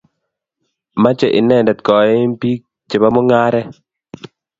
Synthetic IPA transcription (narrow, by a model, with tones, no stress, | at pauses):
ma˦t͡ʃe˨ʔi˨nɛ˨ndɛ˨t̪̚kɔ˨˦m˦pi˦k̚ | t͡ʃe˨ba˦mo˦ŋa˦ɾɛ˦